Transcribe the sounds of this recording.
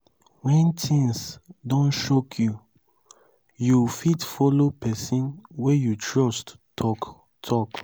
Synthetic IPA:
wɛ̃ntʰĩŋsdõnʃokʰju | jufitfɔlopʰɛsĩnwɛjutʰɹɔst | tʰɔk | tʰɔk

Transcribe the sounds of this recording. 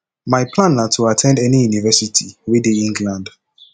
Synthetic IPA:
majpʰlãnatʰuatʰɛ̃ndɛnijunivɛsitʰiwedeĩŋɡlãnd

